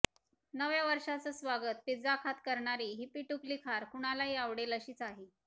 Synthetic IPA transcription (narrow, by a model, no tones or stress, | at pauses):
nəʋjaʋəɾʂat͡səsʋaɡət̪̚pid͡zakʰat̪kəɾɳaɾiɦiːpiʈuklikʰaɾkuɽ̃alaɦiːaʋɽeləɕiːt͡saɦe